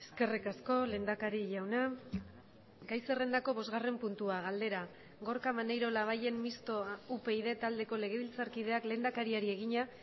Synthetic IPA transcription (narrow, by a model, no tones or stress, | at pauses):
eske̞rikasko̞lend̪akaɾiʝawna | ɡajse̞re̞nd̪ako̞βo̞zɣare̞mpunt̪uaɣald̪e̞ɾa | ɣo̞ɾkamanejɾo̞laβ̞aje̞mmist̪o̞upe̞ið̞e̞t̪ald̪e̞ko̞le̞ɣe̞βilt͡saɾkiðe̞akle̞nd̪akaɾiaɾie̞ɣ̞iɲa